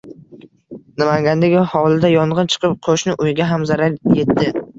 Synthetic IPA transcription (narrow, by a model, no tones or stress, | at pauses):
nɪmaŋɡʲand̪eɡʲɪhɒwlˠɪd̪ajɒɴʁɨnt͡ʃʰɨ̥qʰɨp̚qʰoʃnɪʔʊjɡʲaɦamzaɾaɾje̞t̪ːɪ